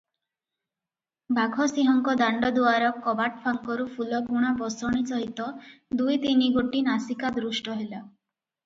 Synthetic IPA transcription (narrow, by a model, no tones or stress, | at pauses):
bʱaɡʱɔsiɦɔŋkɔd̪aɳɖɔd̪uaɾɔkːɔbaʈpʰaŋkɔɾupʰulɔɡʱuɽ̃abɔsɔɽ̃it͡ʃɔɦit̪ɔd̪ujt̪iniɡoʈinasikad̪ɾusʈɔɦela